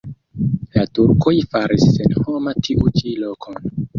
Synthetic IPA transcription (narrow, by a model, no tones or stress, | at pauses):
latuɾkʰojfaɾisːenho̞matʰiʔut͡ʃilo̞kʰon